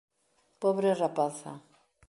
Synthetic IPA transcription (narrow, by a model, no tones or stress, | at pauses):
poβɾerapaθa̰